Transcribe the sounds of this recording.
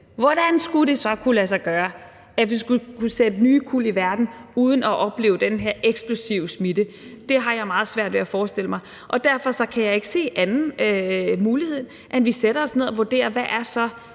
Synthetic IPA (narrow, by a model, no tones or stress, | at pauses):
ʋɒd̥ænsɡ̥uɾ̥e̝sɒ̽kʰulæs̬ɑ̈ɪɡ̥ɶːɐ | æʋisɡ̥ukʰused̥ənyːkʰul̰iʋæɐd̥n̩uð̞ˠən̩ɒʔɒ̽b̥le̝̰ːʊd̥enɦeɐʔeɡ̥sb̥lo̝siʊsmidə | d̥e̝ɦɑ̈jɑ̈ɪmɑ̈ːð̞̩ˠsʋæɐ̰d̥ʋeæfɒːsd̥e̝ləmɑ̈ɪ | ʔɒ̽d̥æɐ̰fɒ̽sɒ̽kʰæjɑ̈ɪe̝ɡ̥ə̥se̝̰ːʔænn̩ | muːlihe̝ð̰ˠ | ʔenʋiseɾ̥ɐɒ̽sne̝ð̞ˠɒʋuoɐd̥e̝̰ːɐʋæʔæɐsɒ̽